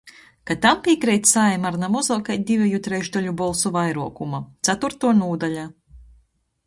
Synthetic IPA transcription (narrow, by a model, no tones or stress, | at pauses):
kat̪ampikɾɛjt̪ʲsajmaɾnamɔzɔwkajd̪ivʲɛjut̪ɾɛʒd̪ɔlʲubɔlˠsuvajɾuɔkumat̪sat̪uɾt̪uɔnuːd̪alʲa